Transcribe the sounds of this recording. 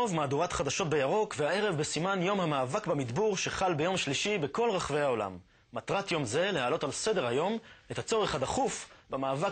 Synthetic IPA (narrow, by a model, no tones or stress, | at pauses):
ovmaːd̪uʁat̪χad̪aʃo̞t̚be̞jaʁo̞kvehae̞ʁevbesimanjo̞mhamaːvakbamid̪buʁʃeχalbe̞jo̞mʃliʃibeko̞lʁaχvejhao̞la̰mː | at̪ʁat̪jo̞mze̞lehaːlo̞talse̞de̞ʁajo̞met̪at͡so̞ʁeχadaχufbemaːva